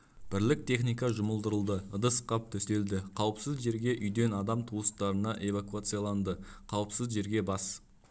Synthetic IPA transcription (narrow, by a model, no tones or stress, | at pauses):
b̥ɪɾlɪk̚t̪ʰe̞χnijkɑʒʊməlˠd̪əɾəlˠd̪əəd̪əsqɑp̚t̪ʰɵst̪e̞ld̪ɪqʰɑwəpsɪzʒe̞ɾɡʲe̞ʔʏjd̪e̞nɑd̪ɑmt̪ʰuəst̪ɑɾənɑʔe̞vakuat̪sɨjalˠɑnd̪əqʰɑwəpsɪzʒe̞ɾɡʲe̞bɑs